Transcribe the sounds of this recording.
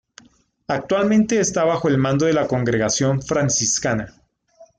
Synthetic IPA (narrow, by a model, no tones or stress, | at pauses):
ak̚t̪walmẽ̞nt̪e̞ːst̪aβaxo̞e̞lmãnd̪o̞ðe̞lako̞ŋɡɾeɣasjo̞ɱfɾansiskana